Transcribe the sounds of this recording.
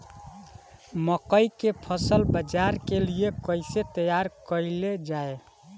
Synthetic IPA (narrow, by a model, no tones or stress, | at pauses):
məkəjkepʰəsəlbəd͡ʒaɾkeliekəɪset̪əjaɾkəiled͡ʒae